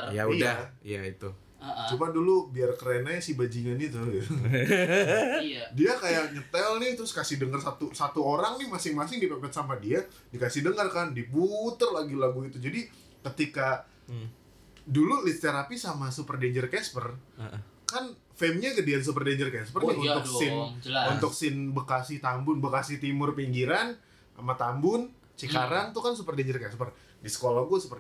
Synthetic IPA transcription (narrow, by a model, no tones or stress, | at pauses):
ja̰ujdaijait̪u | t͡ʃumadulubiarkəɾenajasibad͡ʒiɲanit̪uɡit̪u | diakajakɲət̪ɛlnɪht̪əɾʊskasɪhdəŋərsat̪usat̪uoɾaŋnɪhmasɪŋmasɪŋdipapɛt̪samadia | dikasɪhdəŋərkandiput̪ərlaɡilaɡuit̪ud͡ʒadi | kət̪ika | dululitst̪eɾapisamasupərdeɲd͡ʒərkɛspər | kan | fɛmɲaɡədians̬upərdeɲd͡ʒərkɛspərnɪunʊkɪnunt̪ʊk̚sɪnbəkasɪht̪ambʊnbəkasɪht̪imʊrpiŋɡiɾan | a̰mat̪ambʊn | t͡ʃikaɾant̪ukansupərdeɲd͡ʒərkɛspər | disə̥kolahɡuasəpə